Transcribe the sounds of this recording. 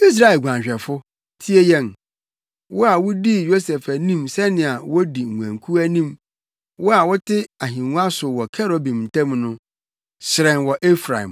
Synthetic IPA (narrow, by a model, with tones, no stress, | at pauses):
i˦s̬ɾa˨e˨lɡʷã˨ɕᶣɛ˨fʊ˦ | tʰi˦e˦jɛ̃˦˨n | wʔɔ˦a˨wʊ˦di˦jo˦sɛ˨fæ˨nĩ˦msɛ˦nɪ̃˨a˨wɔ˦di˨ŋ̩˨ŋʷ˨ã̰˨ŋkʰu˦æ˦nĩ˦˨m | wɔ˦a˨wɔ˦tʰɪ˦a˨ɦĩ˨nũ˦a˦sʊ˨wɔ˨kʰɛ˦ɾo˨bĩ˨m̩˨tʰã˦mnʊ̃˦ | sɪ˨ɾɛ̃˨nwɔ˨ʔe˦fɾã̰˨m